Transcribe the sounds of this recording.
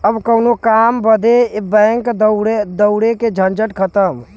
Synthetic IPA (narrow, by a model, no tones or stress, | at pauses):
əbkəʊnokambəd̪ebɛ̃ŋkd̪ɽed̪əʊɽeked͡ʒʱənd͡ʒəʈkʰət̪əm